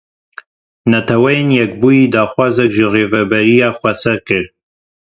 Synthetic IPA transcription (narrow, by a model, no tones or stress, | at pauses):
nɛt̪ʰɛwɛjenjɛk̚buːjiːd̪ɑːxwɑːzɛkʒireːvɛbɛɾijɑːxʷɛsɛɾkɨɾ